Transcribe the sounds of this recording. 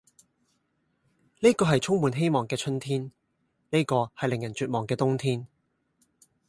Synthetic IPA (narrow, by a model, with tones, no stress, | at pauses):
ne˥jkɔː˧ɦɐ˨jt͡ʃʰʊ˥ŋmuː˨˧nɦe˥jmɔː˨˩ŋkɛː˧t͡ʃʰɵ˥nt̪ʰiː˥n | ne˥jkɔː˧hɐ˨jlɪ˨ŋjɐ˨˩nt͡ʃyː˨t̚mɔː˨˩ŋkɛː˧t̪ʊ˥ŋt̪ʰiː˥n